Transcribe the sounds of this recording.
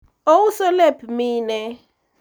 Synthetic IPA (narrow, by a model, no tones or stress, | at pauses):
owusɔlepʰmiːnɛ